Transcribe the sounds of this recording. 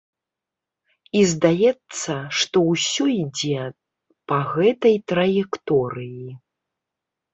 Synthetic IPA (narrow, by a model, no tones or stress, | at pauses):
izd̪ajɛt̪sːɐʂt̪ɔwsʲuid͡zʲɛ | pɐɣɛt̪ɐjt̪ɾɐjɛkt̪ɔɾɨji